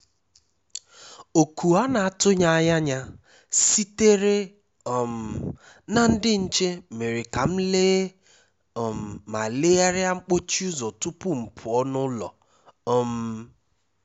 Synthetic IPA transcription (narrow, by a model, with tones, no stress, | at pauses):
o˨ku˨a˦na˨a˦˨tʊ˦ɲa˦a˦ja˦ɲa˦ | si˦te˦ɾe˦˨ | m̩˨ | na˦˨n̩˦dɪ˦n̩˦t͡ʃe˦me˨ɾɪ˨ka˨m̩˦leː˦˨ | m̩˨ma˨le˦a˦ɾja˦ŋ͡m̩˦k͡po˦t͡ʃi˦ʊ˦zɔ˨tu˦pʊ˦ŋ͡m̩˨pʰʊ˨ɔ˦nʊ˦lɔ̰˨˦ | m̩˦